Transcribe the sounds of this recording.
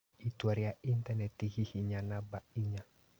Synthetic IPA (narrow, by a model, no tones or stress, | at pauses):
itwaɾiaʔintanɛtiɣihiɲanabaiɲa